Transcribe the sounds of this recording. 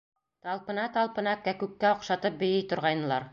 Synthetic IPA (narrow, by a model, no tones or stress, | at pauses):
t̪ɑlˠpɤ̆nɑt̪ɑlˠpɤ̆nɑkækʉkːæŏqʃɑt̪ɤp̚bɵ̆jɘjt̪ŏɾʁɑjnɤ̆lˠɑɾ